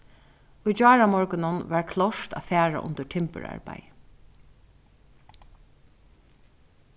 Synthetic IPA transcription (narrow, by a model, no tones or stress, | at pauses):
ujt͡ʃɑːɹamɔɹkʊnʊnʋaɹkʰlɔʂt̪a̰fæːɹa̰ʔʊ̰nt̪əʈʰɪmpə̰ɹa̰ɹpa̰j